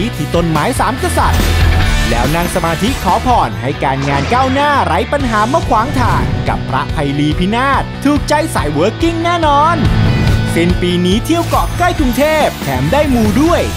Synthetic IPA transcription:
i˦˥t̪ʰiː˨˩t̪o˧nmaː˩˦˥jsaː˩˦mka˧sa˨˩t̪̚lɛ̰ː˦˥wna˧ŋsa˧maː˧t̪ʰi˦˥kʰɔː˩˦pʰɔː˨˩nɦa˥˩jkaː˧nŋaː˧nkaː˥˩wnaː˥˩ɾa˦˥jpa˧nɦaː˩˦mɯ˥˩kʰwaː˩˦ŋt̪ʰaː˨˩ŋka̰˨˩pʰːɾa̰˦˥ʔpʰa˧jliː˧pʰi˦˥naː˥˩t̪ʰːuː˨˩k̚t͡ɕa˧˥jsaː˩˦jwɤː˦˥kːi˥˩ŋnɛː˥˩nɔː˧npe˧npiː˧niː˦˥t̪ʰi˥˩əwkɔː˨˩kla˥˩jkɾu˧ŋt̪ʰeː˥˩p̚t̪ʰɛː˩˦mdaː˥˩jmuː˧du˥˩əj

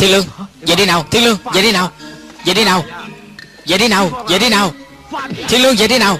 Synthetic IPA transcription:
t̪ʰi˧˦lɨ˧əŋzə̰˨˩t̪e˧˦naː˨˩wt̪ʰi˧ŋlɨ˧əŋzə̰ː˨˩t̪e˨˦naː˨˩wzə̰˨˩t̪e˨˦naː˨˩w | zə̰˨jt̪i˨˦naː˨˩wzə̰˨jt̪i˨˧˦naː˨˩w | t̪ʰi˧ŋlɨ˧əŋzə̰˨jt̪e˨˦naː˨˩w

